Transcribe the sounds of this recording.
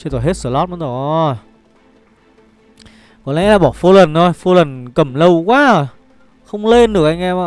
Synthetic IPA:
t͡ɕe˧nt̪o˧˩jɦe˦˥t̚sɨ̰˧˩lɔ˦˥ma˨˦nzo˨˩ | kɔ˨˦lɛ̰˧˥laː˨˩ɓɔ˧˩fo˧lə˨˩nto˧˩jfo˧lə˨˩nkə˨˩mlə˧wkwaː˧˥˧j | xə˧wŋ͡mle˧nɗɨ˨˩əkʔa˧jŋ̟ʔɛ˧ma˧˨

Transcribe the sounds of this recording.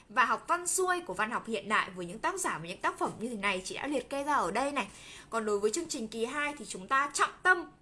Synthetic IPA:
vaː˨˩ɦa˨˩wk͡p̚va˧nsu˧əjku˧˩əva˧nhwk͡p̚hḭ˧˨ənɗa̰ː˧˨jvəː˨˦jɲɨ̰˧˥ŋt̪aː˦˥k̚zaː˧˩vaː˨˦ɲɨ̰˧˥ŋt̪aː˦˥k̚fə˧˩mɲɨ˧e˨˦na˨˩jt͡ɕi˧˩ɗa̰ː˧˥li˨˩ət̚ke˧zaː˧ʔəː˧˩ɗə˧jna˨˩jkɔ˨˩nɗo˨˦jvəː˨˦jt͡ɕɨ˧əŋt͡ɕï˨˩ŋ̟ki˨˩ɦaː˧jt̪ʰi˨˩t͡ɕʊ˨˦ŋ͡mt̪aː˧t͡ɕɔ̰˧˨wŋ͡mt̪ə˧m

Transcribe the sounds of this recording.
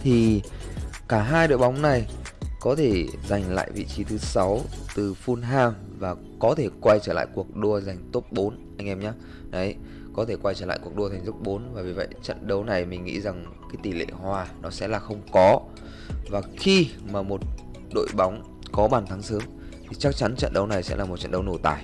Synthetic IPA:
t̪ʰi˨˩ | kaː˧˩ɦaː˧jɗo̰˧˨jɓa˨˦wŋ͡mna˨˩jkɔ˨˦t̪ʰe˧˩za˨˩jŋ̟la̰ː˧˨jvḭ˧˨t͡ɕi˨˦t̪ʰɨ˨˦sa˨˦wt̪ɨ˨˩fu˧nɦaː˧m | vaː˨˩ | kɔ˨˦t̪ʰe˧˩kwa˧jt͡ɕəː˧˩la̰ː˧˨jku˨˩ək̚ɗo˧əza˨˩jŋ̟t̪o˦˥p̚ɓo˨˦n | ʔa˧jŋ̟ʔɛ˧mɲaː˨˧˦ | ɗə˨˦j | kɔ˨˦t̪ʰe˧˩kwa˧jt͡ɕəː˧˩l̰a̰ː˧˨ku˨˩ək̚ɗu˧əa˨˩ŋzu˦˥p̚ɓo˨˦nvaː˨˩vi˨˩və̰˧˨jt͡ɕə̰˧˨nɗə˨˦wna˨˩jmï˨˩ŋ̟ŋḭ˧˥za˨˩ŋ | kaː˨˦jt̪i˨˩lḛ˧˨ɦwaː˧˩nɔ˨˦sɛ̰˧˥laː˨˩xə˧wŋ͡mkɔ˨˦ | vaː˨˩xi˧maː˨˩mo˨˩t̚ | ɗo̰˧˨jɓa˨˦wŋ͡m | kɔ˨˦ɓaː˨˩nt̪ʰa˨˦ŋsəː˨˦m | t̪ʰi˨˩t͡ɕa˦˥k̚t͡ɕa˨˦nt͡ɕə̰˧˨nɗə˨˦wna˨˩jsɛ̰˧˥laː˨˩mo˨˩t̚t͡ɕə̰˧˨nɗə˨˦wno˧˩t̪aː˧˩j

